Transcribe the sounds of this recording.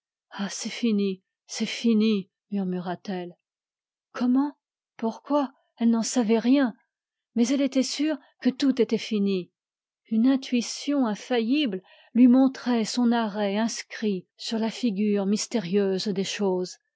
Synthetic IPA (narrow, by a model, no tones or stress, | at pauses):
asɛfini | sɛfini | myʁmyʁat̪ɛl | kʰɔmɑ̃ | puʁkwa | ɛlnɑ̃savɛʁjɛ̃ | mɛzɛlet̪ɛsyʁ | kət̪ut̪et̪ɛfini | ynɛ̃t̪ɥisjɔ̃ɛ̃fajibl | lɥimɔ̃t̪χɛsɔ̃naʁɛɛ̃skχisyʁlafiɡʲyʁmist̪eʁjøzd̪eʃoːz